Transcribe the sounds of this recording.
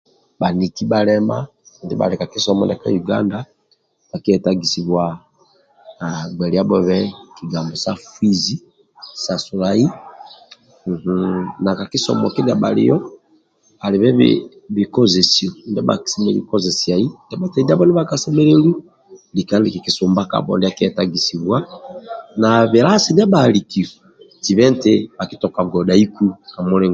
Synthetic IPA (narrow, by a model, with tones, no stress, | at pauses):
ba˨ni˨ti˦ba˨lɛ˦ma˦˨ | ndɛ˦ba̰˨ɾɛ˨ka˨ki˦sɔ˦mɔ̰˨ndɛ˨ka̰˦ju˨ɡa̰˦nda˦ | ɓa˨ki˦ɛ˨ta˦ɡi˨si˨bwa˨ | ɡ͡bɛ˨li˨a˦bɔ˦βɛ˦ki˨ɡa˨mbɔ˨sa˦fi˦zi˦ | sa˨su˨la˨i˦˨ | h̩˦na˨ka˨ki˦sɔ̰˨mɔ˨ki˦da˨ɓa˨lḭ˨jɔ˦ | a˨li˨βɛ̰˦˨ | be˨kɔ˦ze˨si˨o˨ndɛ˦ba̰˨ksɛ˦me˨lḭ˨˦kɔ˦ze˨si˨a˨i˦ndɛ˦ba˦tɛ˨˦da˦bɔ˦n˦ɛ˦ba˨ka˨sɛ˦mɛ˦le˦lu˦ | li˨ka˦n˦i˨ki˨ki˨so˨mba˦ka̰˨bɔ̰˨ndɛ˦˨ki˦ɛ˨ta˦˨ɡi˨si˨bwa˦ | na˨βe˨ɾa˦si˨ndɛ˦ba˨li˨ki˨ɔ˨ | ti˨βɛ˦nte˦ba˨ki˦tɔ˨ka˨ɡɔ˨da˨i˦ku˦ka˨mo˦lɛ˦˨ŋ